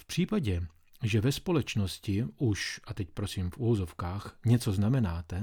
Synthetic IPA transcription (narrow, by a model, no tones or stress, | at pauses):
fpr̝̥iːpaɟɛ | ʒɛvɛspo̞lɛt͡ʃno̞scɪʔuʃʔat̪ɛcpɾo̞siːmfuvozofkaːxɲɛt͡so̞znamɛnaːt̪ɛ